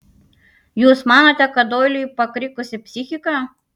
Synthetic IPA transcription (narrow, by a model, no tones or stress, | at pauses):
juːsmɑːnɐt̪ʲɛkɐd̪oːjlʲɪjpɐkɾʲɪkʊsʲɪpʲsʲɪxʲɪkɑː